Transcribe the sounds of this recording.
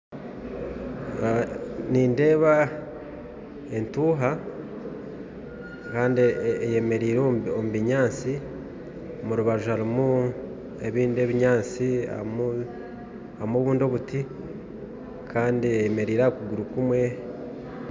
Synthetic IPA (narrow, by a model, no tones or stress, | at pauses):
niːnde̞ːβa | entuːɦa | kaːndiejeme̞ɾiːɾoomuβiɲaːt͡si | omuɾuβaʒuhaɾimu | e̞βiːndie̞βiɲaːt͡sia̰mu | amoβuːndo̞βuti | kaːndiejeme̞ɾiːɾakuɡuɾukumwe̞